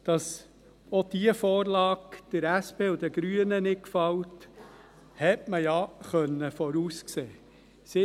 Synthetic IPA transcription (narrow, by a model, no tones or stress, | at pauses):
d̪̥ɑs | od̥iəfoːɾlɑːkd̥əɾæspeːʊd̥̪əɡ̥ɾyənənɪkfɑwt | hɛtməjɑχœnːəfɔɾuːskseː | sɪ